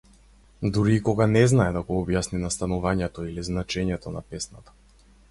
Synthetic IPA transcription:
d̪uɾiːkɔɡanɛznaɛd̪aɡɔɔbjasninast̪anɔvaɲɛt̪ɔiliznat͡ʃɛɲɛt̪ɔnapɛsnat̪ḁ

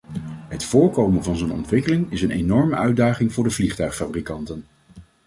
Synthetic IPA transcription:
ɦətfʊːɹkowmənvɑnzownɔ̰ntʋɪkəlɪŋɪsənenɔɹməʔœɥdaːχɪŋvʊːɹdəvliχtœɥχfabrikɑntən

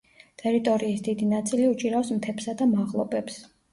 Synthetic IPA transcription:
t̪ʼɛɾit̪ʼɔɾiːsd̪id̪inat̪sʼiliut͡ʃʼiɾaɔsmt̪ʰɛpsad̪amaʁlˠɔbɛps

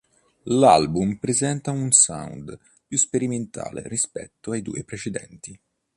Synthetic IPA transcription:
lalbumpɾezɛnt̪aunsa̰wnd̪ | pjuspeɾiment̪ʰa̰ːlḛrispɛt̪ːoajd̪ṵːepɾet͡ʃed̪ɛ̰nt̪i

